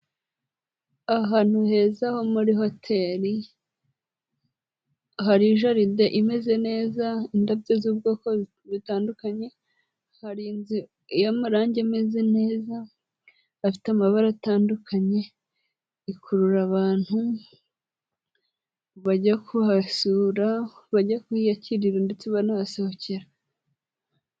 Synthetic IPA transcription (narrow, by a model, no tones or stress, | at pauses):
aɦaːn̥huhe̞ːzaho̞muɾiɦo̞tʰe̞ːɾi | ɦaɾiʒaɾide̞ʔime̞ze̞ne̞ːzaindab̚ɟezuːbɡoːko | βitaːndukaɲe̞ | haɾiːnzi | jamaɾaːɲɟeme̞ze̞ne̞ːzaː | fi̥tamaβaɾataːndukʰaɲe̞ | ikʰuɾuɾaβaːn̥hu | βaɟakʰuhasuɾaβaɟakuijaciɾiɾande̞t͡seβanaasohoceɾa